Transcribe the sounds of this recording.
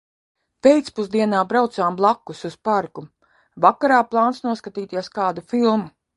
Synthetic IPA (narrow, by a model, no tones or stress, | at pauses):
pejt̪spuzd̪iɛnaːbɾawt̪saːmblˠakːususpaɾku | vakaɾaːplˠɑːnsnuɔskat̪iːt̪iɛskaːd̪ufilˠmu